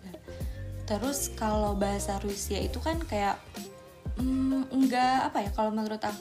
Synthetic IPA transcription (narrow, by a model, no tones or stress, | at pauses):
at̪əɾʊskalowbaɦasaɾuisiait̪ukankajaʔ̩ | ŋɡaːpajakalomənuɾʊt̪a